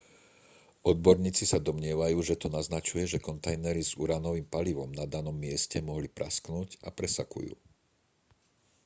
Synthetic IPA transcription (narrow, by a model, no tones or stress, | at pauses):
ʔɔd̪̚bɔɾɲiːt͡sisad̪ɔmɲɪɛʋajuːʒɛt̪unaznat͡ʃujɛʒɛkɔnt̪ajnɛɾizṵɾanɔʋiːmpaliʋɔmnad̪anɔmːɪɛscɛmɔɦlipɾʔasknuːcapɾɛsakṵjṵː